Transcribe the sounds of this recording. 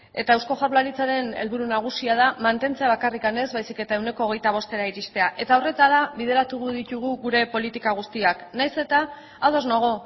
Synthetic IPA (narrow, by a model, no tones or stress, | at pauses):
e̞t̪aewsko̞ʝaɾlaɾit͡saɾe̞ne̞̰lβuɾunaɣ̞usiað̞amant̪e̞nt͡se̞aβakarikane̞zβajsike̞t̪ae̞wne̞ko̞ːɣ̞e̞jt̪aβ̞o̞st̪e̞ɾaiɾist̪e̞aʔe̞t̪aore̞t̪alaβið̞e̞ɾat̪uɣuðit̪uɣ̞uɣuɾe̞po̞lit̪ikaɣ̞ust̪iaknajse̞t̪a | aðo̞znoɣ̞o̞